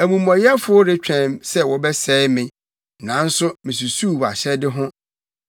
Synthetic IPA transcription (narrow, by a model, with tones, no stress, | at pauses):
æ˨mũ˨mɔ̃˨jɛ˦fʊ˦ʊ˦ɾɪ˦t͡ɕᶣʰɛ̃˨msɛ˦wɔ˨bɛ˦sɛː˦mɪ̃˨ | nã˨˦n̩˦sʊ˦mɪ̃˨s̬u˨su˦˨wa̰˨ɕɛ˦dɪ˦ɦʊ̃˦